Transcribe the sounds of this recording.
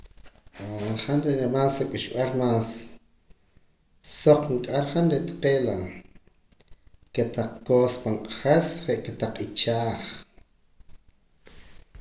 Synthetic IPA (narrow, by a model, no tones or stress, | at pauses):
aχanɾeɾemaːseɓiʃɓalmaːs | oq͡χŋkʼaɾχanɾet̪ḁqeːla | ket̪aq͡χkoːspaŋqʼaχesχeʔket̪aq͡χit͡ʃaːχ